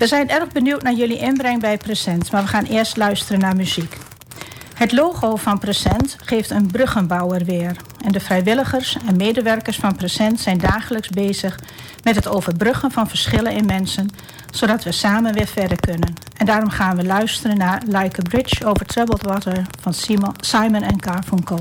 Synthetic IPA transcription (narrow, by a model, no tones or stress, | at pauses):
ʋəzɛjnɛrɣbənywtnaɹjøliʔɪnbrɪŋbɛjpresɛntmaːɹʋəχaːnɪːəɹstlœɥstərənaɹmyzik | hətloːɣoːfɑnpresɛntχeːftənbrøχənbɔwərʋɪər | ʔɛndəfrɛjʋɪlˠəɣəɹsɛnmeːdəʋɛrkəɹsfɑnpresɛntsɛjndaːχələksbeːzəx | mɛtɦətoːvəɹbrøχənfɑnfəɹsχɪlənɪnmɛnsən | z̥oːdɑtʋəsaːmənʋɪːfɛdəkønən | ʔɛndaːrɔmχaːnʋəlœɥstərənːaɹlajkəbɹɪt͡ʃoːvəɹtʰrɛbəlˠtwɔtəɹfɑnsajmənɛnkaɹvuŋko